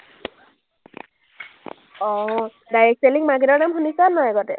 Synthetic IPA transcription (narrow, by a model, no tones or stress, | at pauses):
ɔ | dajek̚seliŋmaɡiɾɔɹnamɦunisanɔɛɡɔtɛ